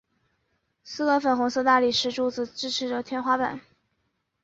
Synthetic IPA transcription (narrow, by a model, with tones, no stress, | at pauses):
sɹ̩˥kɤ˧˥fə˨˩nxʊ˧˥ŋsɤ˥˧t̪a˥˩li˨˩ʂɻ̩˥˧ʈ͡ʂu˥˧t͡sɹ̩˥˩ʈ͡ʂɻ̩˥ʈ͡ʂʰɻ̩˧˥ʈ͡ʂə˧t̪ʰjɛ˥nxwa˥pə̰˨˩˦n